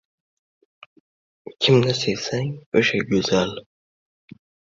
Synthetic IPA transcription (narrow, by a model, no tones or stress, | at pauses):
kʲʰɪmnɪsesaŋoʃaɡʲɵz̥al